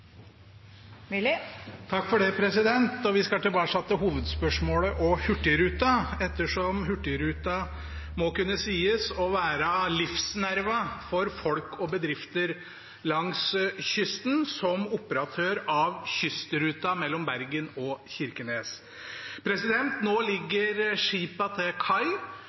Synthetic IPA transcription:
t̪ʰɑkːfɔɖɛpʰɾɛsɪd̪ɛnt̪ɔʋɪskɑt̪ɪlbɑːʂɑt̪ːəɦuːʋəd̪spœʂmoːləʔɔhʉʈːɪɾʉːt̪ɑɛt̪ːəʂɔmɦʉʈːɪɾʉːt̪ɑ | mɔkʉnːəsiːəsɔʋæːɾəlɪfsnæɾʋɑfɔɾfɔlkʰɔbəd̪ɾɪft̪əɾ | lɑŋsçʏst̪n̩sɔmʊpəɾɑt̪ʰøːɾɑʋçʏst̪əɾʉːt̪ɑmɛlːɔmbæɾɡənɔçɪɾkəneːs | pʰɾɛsɪd̪ɛnt̪noːlɪɡːəɾʂiːpɑt̪ʰɛkʰɑɪ

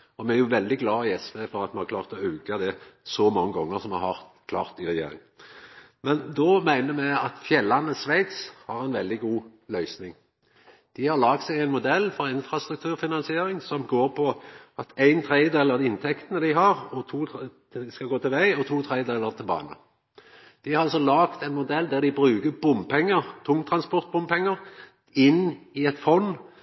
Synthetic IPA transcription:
ɔmɛæʁjʊʋɛld̪ɪɡlɑːiɛsʋeːfɔɾɑt̪mɛnhɑkʰlɑːʁt̪ɔøːɡɑd̪ɛsɔmɑŋːəɡɔŋːəsɔmhɑɾhɑʁt̪kʰlɑːʁt̪ɪɾɛjḛːɾɪ̰ŋ | mɛnd̪ɔmæɪnəmæɪɑt̪fjɛlːɑnəsʋæɪt̪shɑʁæɪnʋɛld̪ɪɡuːlœʏsnɪŋ | d̪̥ɪhɑɾlɑːɡt̪sɛɪɡæɪnmʊd̪ɛlːfɔɾɪnfɾɑst̪ɾʉkt̪ʰʉːɾfɪnɑnsɪeːɾɪŋsɔmɡoːɾpʰɔɑt̪æɪnt̪ʰɾeɪd̪eːləɾd̪ɪnt̪ʰɛkt̪ənəd̪ɪɦɑʁɔt̪ʰuː | skɑɡoːt̪ɪlʋæɪɔt̪ʰuːt̪ʰɾeɪd̪eːlːəʁt̪ʰɪlbɑ̰ːnə̰ | d̪̥ɪɾɑlsɔlɑːkt̪æɪnmʊd̪ɛld̪æʁd̪ɪbʁʉːkəbʊmpʰɛŋːəʁt̪ʰʊŋt̪ʰɾɑnspɔʁt̪̚bʊmpɛŋːəʁ | ɪnɪɛt̪fɔnː

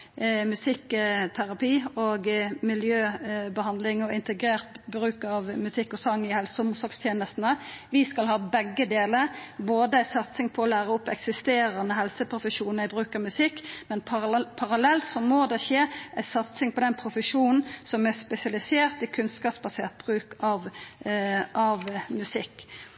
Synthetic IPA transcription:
mʉsɪkːt̪ʰæɾɑpiːoːɡmɪljøːbəhɑnd̪lɪŋɔɪnt̪əɡɾeːʁt̪bɾʉːkɑʋmʉsɪkːɔsɑŋːɪhɛlsəʊmʊsɔɾkst̪ʰjeːnəst̪n̩əʋɪskɑlhɑːbɛɡːəd̪eːləɾboːd̪əæɪsɑt̪sɪŋpʰɔɔlæːɾəɔpːɛ̰ksɪst̪eːɾənəɦɛlsəpʰɾʊfəʂuːnɪbʁʉːkɑmʉsɪkːmɛnpʰpʰɑʁɑlɛlt̪sɔmoːd̪ɛʃeːʔæɪsɑt̪sɪŋpʰɔd̪ɛnpʰɾʊfəʃuːnn̩sɔmɛspɛsɪɑlɪseːʁt̪ɪkʰʉnskɑːpsbɑsḛːʁt̪̚b̥ʁʉːkɑʋ | ʔɑʋmʉsɪkː

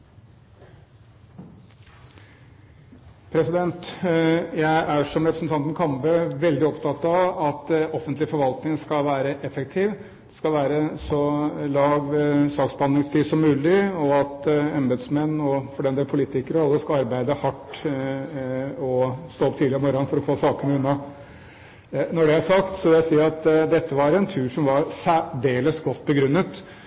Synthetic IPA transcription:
pʰɾɛsɪd̪ɛnt̪ | jæɪʔæʂɔmɾɛpɾəsn̩t̪ɑnt̪n̩kʰɑmbəʋɛld̪ɪɔpt̪ʰɑt̪ɑʋɑt̪ɔfənt̪lɪfɔɾʋɑlt̪nɪŋskɑlʋæːɾəʔɛfɛk̚t̪ʰiːʋ | d̪̥ɛ̥skɑlʋæːɾəsɔlɑːʋsɑːksbɑnɾɪŋst̪ʰiːsɔmːʉːlɪɔɑt̪ɛmbəd̪smɛnːɔfɔɖɛnd̪eːlpʰʊliːt̪ɪkəɾəɑlːəskɑɑɾbæɪd̪əhɑʈː | ɔst̪oːɔpt̪ʰiːd̪əəmɔɾɑnfɔɾɔfoːsɑːkənəʉnːɑ | nɔɖɛæsɑkt̪sɔʋɪlæsiːɾɑt̪d̪ɛt̪ʰːəʋɑɾɛnt̪ʰʉːʂɔmʋɑɾsæɖeːləsɡɔt̪ːbəɡɾʉnːət̪

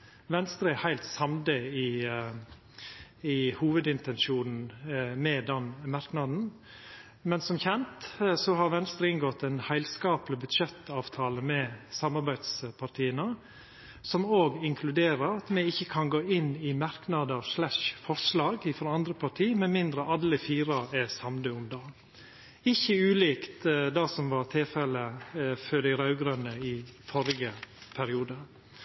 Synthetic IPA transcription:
ʋɛnst̪ɾəhæɪlt̪sɑmd̪əɪ | ɪhuːʋəd̪ɪnt̪ɛnʂuːnn̩mɛd̪ɛnmɑɾknɑd̪n̩ | mɛnsɔmçɛnt̪sɔɦɑɾʋɛnst̪ɾəɪŋɡɔt̪ːɛɪnhæɪlskɑːplɪbʉd̪ʂɛt̪ːɑːʋt̪ʰɑːləmɛsɑmɑɾbæɪd̪spʰɑɾʈʰiːənə | sɔmoːɡɪŋkʰlʉd̪eːɾəɾɑt̪mɛɪçːəkʰɑnɡoːɪnːɪmɑɾknɑd̪əɾʂɭæʂfɔʂlɑːɡɪfɾɑnd̪ɾəpʰɑʈʰiːmɛnmɪnd̪ɾəʔɑd̪əfiːɾɑɛsɑmd̪əʊmd̪ɑː | ɪçːəʉːliːkt̪d̪ɑsɔmʋɑɾt̪ʰɪlfɛlːəføːɖɪɾɑʉɡɾœnːəɪfɔɾɪɡəpʰæɾɪuːd̪ə

